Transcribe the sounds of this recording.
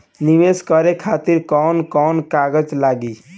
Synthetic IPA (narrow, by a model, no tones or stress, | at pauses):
niʋeskəɾekʰat̪iɾkɔnkɔnkaɡəd͡ʒlaɡi